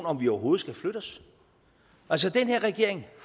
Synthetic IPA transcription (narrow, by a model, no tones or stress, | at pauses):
nɒ̽mʋiɒʊɐɦo̝ːð̞̩ˠsɡ̥æfløɾ̥ɒs | ʔæls̬əd̥enheɐ̰ʁɛɡ̥e̝ɐ̰e̝ŋh